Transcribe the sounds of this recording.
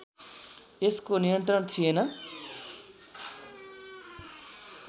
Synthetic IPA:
eskonijʌnt̪rʌɳt͡sʰienʌ

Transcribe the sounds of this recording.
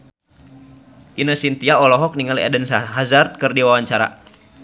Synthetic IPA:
ʔinəsint̪iaɔlɔɦɔk̚niŋaliɛ̰dənsaɦazart̪̚kɨrdiwawaɲt͡ʃaɾa̰

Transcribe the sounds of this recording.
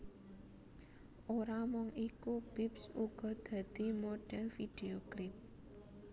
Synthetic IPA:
ʔoɾamɔŋikub̥ipsuɡ̥ɔ̤d̪̥ä̤d̪̥i̤moɖ̥ɛlfid̥eoklɪp̚

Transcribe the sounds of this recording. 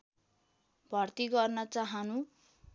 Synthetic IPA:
bʱʌrt̪iɡʌrnʌt͡saɦʌnu

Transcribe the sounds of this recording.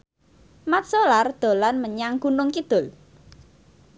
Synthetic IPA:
mat̪̚solard̪̥o̤lanməɲaŋɡ̥unʊŋkid̪̥ʊ̤l

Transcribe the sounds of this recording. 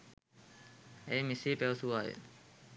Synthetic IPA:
ẽːmɪseːpɛːsuːaːɦḛː

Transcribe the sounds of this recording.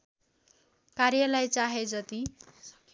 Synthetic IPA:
karjʌlajt͡saɦed͡zʌt̪i

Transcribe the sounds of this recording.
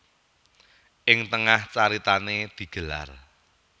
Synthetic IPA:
ʔɪŋt̪əŋaht͡ʃaɾit̪aned̪̥i̤ɡ̥ə̤la̰r

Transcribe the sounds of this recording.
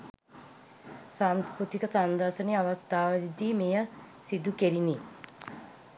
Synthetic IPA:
saːnspɾut̪ikəsand̪ɐɾʃəneɐʋəst̪aːʋəid̪iːmejə | sid̪ukeɾini

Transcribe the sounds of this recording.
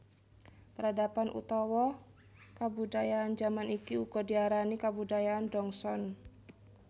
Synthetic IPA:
pəɾadapanʔṵt̪ɔwɔ | kabudajaːnd͡ʒamanikiuɡɔdiaɾanikabudajaandɔŋsɔn

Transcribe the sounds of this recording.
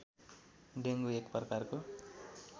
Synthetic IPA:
ɖeŋɡuekprʌkarko

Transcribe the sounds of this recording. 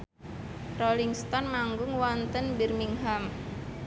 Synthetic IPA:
rɔliŋst̪ɔnmaŋɡʊŋwɔnt̪ənbɛrmiŋɦam

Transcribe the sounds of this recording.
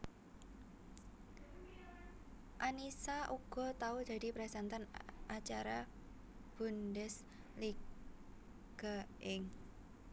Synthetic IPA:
ʔanisaʔuɡ̥ɔ̤t̪aud̪̥a̤dipɾɛsant̪anʔat͡ʃaɾa | b̥ṳndɛs | li | ɡ̥aɪŋ

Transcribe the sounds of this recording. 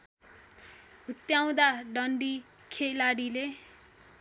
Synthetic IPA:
ɦut̪ːjaw̃d̪aɖʌɳɖi | kʰelaɽile

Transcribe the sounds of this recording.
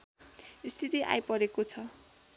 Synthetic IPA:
ist̪ʰit̪iʔa̰jpʌɾekot͡sʰʌ

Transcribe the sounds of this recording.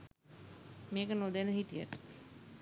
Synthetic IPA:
meːkənod̪enəɦit̪ija̰ʈ

